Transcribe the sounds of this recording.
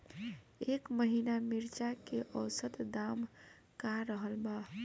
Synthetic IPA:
ekməɦinamiɾt͡ʃakeʔəʊsət̪d̪am | kaɾəɦəlba

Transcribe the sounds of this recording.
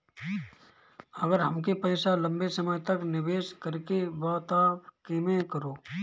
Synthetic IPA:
əɡəɾɦəmkepəɪsalɐ̃mbesəməjt̪əknɪʋeːskəɾkebɔːt̪aːkemẽkəɾoː

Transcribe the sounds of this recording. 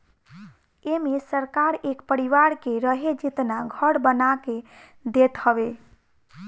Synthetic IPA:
emesəɾkaɾekpəɾiʋaɾkeɾəɦed͡ʒit̪naɡʱəɽbənake | d̪et̪həbe

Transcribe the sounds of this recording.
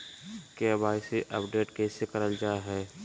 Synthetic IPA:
kebaːɪseʔəpɖeːʈkeːsekəɾəld͡ʒaːɦɛː

